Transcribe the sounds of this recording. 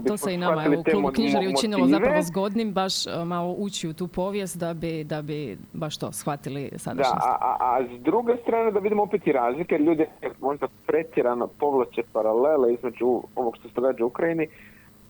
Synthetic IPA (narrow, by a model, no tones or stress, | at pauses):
bit̪osmeinaatmaeiliouelumoutkɲiʒaɾjeumoinillozaɾeaʋozɡo̞d̪nimbaʃmaloʔut͡ɕiut̪uːpo̞ʋjest̪d̪abid̪abibaʃt̪o̞̰sxʋat̪ilḭsa̰d̪d̪ʃa̰a̰ʔa̰azd̪ɾuɡest̪ɾaːne̞d̪aʋid̪imoopet̪iɾaːzlikajeɾʎʲuːd̪iemoʒd̪apɾet̪jeɾanopo̞ʋlˠat͡ʃepaɾaleleizme̞d͡ʒuo̞ʋokʃt̪oset̪oɡaːd͡ʒeukɾaini